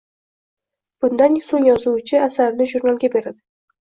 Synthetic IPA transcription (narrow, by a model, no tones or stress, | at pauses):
b̥ʊnd̪ansoŋjɒzut͡ʃʰɪasaɾnɪʒuɾnalˠɡʲabe̞ɾad̪ɪ